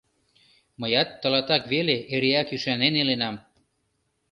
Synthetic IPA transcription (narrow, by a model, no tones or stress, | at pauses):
məjɑt̪ːə̆lɑt̪ɑkβeleʔeɾeækyʃɑnenelenɑm